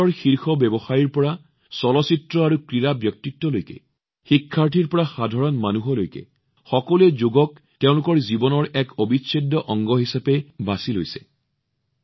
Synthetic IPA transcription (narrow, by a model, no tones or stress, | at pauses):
ɔɹxiɹxɔbɛbɔxajiɹpɔɹa | sɔlɔsitɹɔaɹukɹiɹabjɔk̚titːɔlojkɛ̰ | xikʰːaɹtʰiɹpɔɹaxadʱaɹɔnmanuɦɔlojkɛ̰ | xɔkɔluɛzoɡɔk | teʊ̃lʊkɔɹzibɔnɔɹɛkobisedːɔʔɔŋɡɔɦisapɛbasilo̰jsɛ̥